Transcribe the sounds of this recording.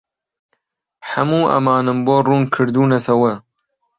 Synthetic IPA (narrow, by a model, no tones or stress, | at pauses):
ħɐmuːʔɐ̰mɑːnɨmboːruːnkʰɨɾd̪uːnɐsɐwɐ